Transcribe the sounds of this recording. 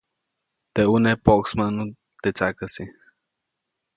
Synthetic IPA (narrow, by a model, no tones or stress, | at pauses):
t̪eʔunepoʔksmanu | t̪et͡sakasi